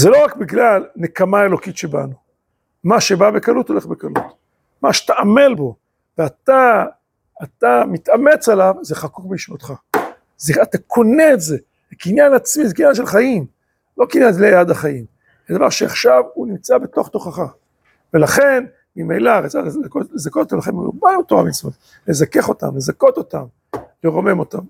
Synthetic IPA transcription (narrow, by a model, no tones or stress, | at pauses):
zelo̞ʁakbiɡlalnekamae̞lo̞kitʃeba̰nu | maʃebabe̞kalut̪ole̞χbekalṵt̪ | maʃe̥t̪aame̞lbo̞ | veat̪aː | t̪amit̪ʔame̞t͡salavzeχakukbeiʃvot̪χa | zeat̪akʰo̞neetze̞ | ekinjanat͡smizekinjanʃelχajim | lo̞kinjanzlejad̪aχajim | zed̪ava̰ʁʃea̰χʃavunimt͡sabe̞t̪o̞χt̪o̞χaχa | ve̞laχe̞n | mimejlaʁat͡sakolezakotot̪amlaχenmo̰balot̪oamismot | le̞zake̞χo̞t̪a̰mle̞zako̞t̪o̞t̪am | leʁo̞me̞mo̞t̪am